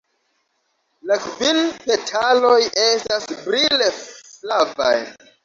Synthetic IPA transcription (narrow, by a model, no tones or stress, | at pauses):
lakvinpetʰalojʔe̞stasbɾileflava̰j